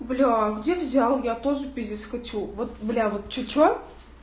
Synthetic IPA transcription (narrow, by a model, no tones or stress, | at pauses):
blʲuɡdʲevzʲalˠjat̪oʐɨpʲɪzʲɪsxɐtʲuvot̪blʲavot̪̚t͡ɕʊt͡ɕo